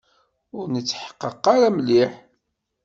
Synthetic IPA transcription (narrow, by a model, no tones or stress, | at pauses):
ʊɾnət͡sːħə̥qːəqːaɾæmliħ